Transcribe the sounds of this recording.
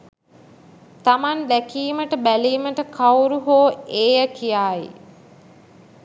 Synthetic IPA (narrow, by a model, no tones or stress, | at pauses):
t̪amand̪ækiːməʈəbæliːməʈəkʰawɾuɦoːeːjəkijaːḭ